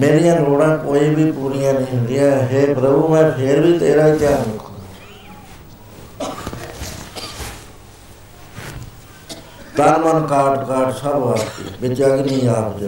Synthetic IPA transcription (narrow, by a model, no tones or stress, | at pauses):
meːɾɪjãːloːɽãːkoːiːbʱipuːɾɪjãːniːd̪ijãːɦeːpɾəbuːmɛ̃ːpʰeːɾbʱiːt̪eːɾaːikjaːnʊk̪ʰːa | t̪anmənkaːʈkaːɾʈsəbʋaːst̪ḭːbɪtaɡinĩːaːpt͡ʃ